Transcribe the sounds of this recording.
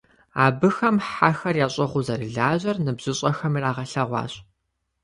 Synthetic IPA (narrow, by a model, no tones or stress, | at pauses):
a̰ːbɨxɐmħaxɐrjaːɕʼɐʁʷʊzɐrɨɮaːʑɐrnɨbz̥ɪɕʼɐxɐmiːraːʁɐɬɐʁʷɑ̰ːɕʼ